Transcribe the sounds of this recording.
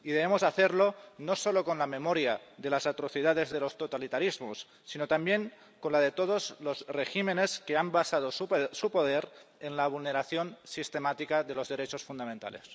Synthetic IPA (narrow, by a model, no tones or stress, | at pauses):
iðeβemozaθeɾlonosolokonlamemoɾjaðe̞lasat̪ɾoθiðaðe̞zðelost̪ot̪alit̪aɾizmosːinot̪ambjeŋ | konlað̞et̪oðozlozreximeneskeambasað̞ossupoðeɾenlaβulneɾaθjonsist̪emat̪ikaðelozðe̞ɾet͡ʃosfund̪amẽnt̪a̰le̞̰s